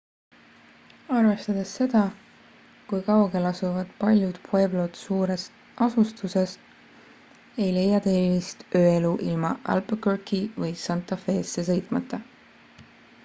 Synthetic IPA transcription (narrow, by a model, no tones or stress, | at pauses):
ɑrve̞st̪ɑd̪̥esːe̞d̪̥ɑ | kujkɑwɡ̥e̞lɑsuvɑd̪̥pɑlʲjud̪̥pʰejblod̪suːɾe̞s | ʔɑsust̪use̞s | e̞jle̞jːɑt̪e̞ːlvist̪ø̞ːe̞luʔilmɑ̰ʔæ̰lpkørkivɤjsɑnt̪ːˑɑfe̞ːsːe̞sɤ̞jt̪ˑmɑt̪ːˑɑ